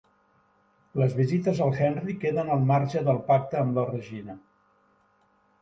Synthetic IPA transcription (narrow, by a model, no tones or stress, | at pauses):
ləzβizit̪əzəlˠxɛnrikeðənəlˠmaɾʒəðəlˠpak̚t̪əːmlərəʒinə